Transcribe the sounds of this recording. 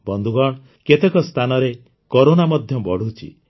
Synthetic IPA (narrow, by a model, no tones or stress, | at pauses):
bɔnd̪ʱuɡɔɽ̃ | ket̪ekɔst̪ʰanɔɾe | koɾonamɔd̪ʱjɔbɔɽ̤ut͡ʃʰḭ